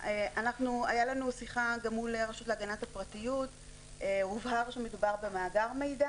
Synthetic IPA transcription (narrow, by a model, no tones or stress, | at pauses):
eʔanaχnuajalanusiχaɡamuleʁaʃutleaɡanathapʁatijut | euvhaʁʃemedubaʁbe̞maːɡaʁme̞jda